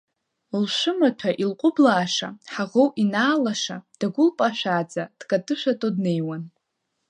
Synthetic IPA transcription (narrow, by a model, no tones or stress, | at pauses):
lʃʷɨmatʷʰaʔilqʷʼʊblaːʂa̰ħaʁowinaːlaʂa̰d̥aɡʷʊlpʼaʃʷᶣaːd͡zad̥kʼatʰʼɨʃʷᶣatʼodne̞jwan